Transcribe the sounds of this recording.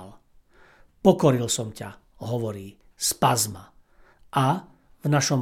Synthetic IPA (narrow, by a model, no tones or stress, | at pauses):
l | pɔkɔɾilsɔmca | ɦɔʋɔɾiː | spazma̰ | ʔa | vnaʃɔm